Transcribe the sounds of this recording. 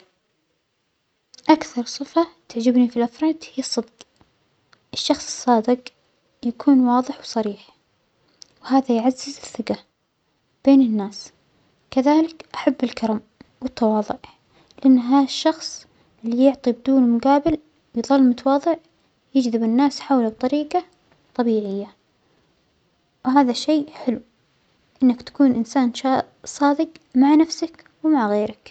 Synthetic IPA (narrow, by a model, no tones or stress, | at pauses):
ʔakθɑɾˤsˤɨfat̪ɪʕd͡ʒɪbnifilʔɑfɾˤɑːd̪hɪjɑsˤːɨd̪q | ʔɪʃːɑxsˤɨ̥sˤːɑːd̪ɪq | jakʰuːnwɑːðˤɨħwsˤɑɾiːħ | whaːðajʕazːɪzɪθːɪqa | b̥eːnɪnːaːs | kaðaːlɪkʔaħabːɪlkɑɾˤɑm | wɪt̪ːɑwɑːðˤʊʕ | lɪʔanːɦaːðaʃːɑxsˤ | ʔɪlːijʊʕt̪ˤib̚d̪uːnmʊɡaːbɪl | wjðˤɑlːmʊt̪ɑwɑːðˤɨʕ | jɪd͡ʒðɪbɪnːaːsħawlab̚t̪ˤɑɾiːqɑ | t̪ˤɑbiːʕɪjːa | wɦaːðaʃeːħɪlu | ʔɪnːɪkt̪ḁkuːnʔɪnsaːnʃɑ | sˤɑːd̪ɪɡmaʕnafsak | wmaʕɣeːɾɪk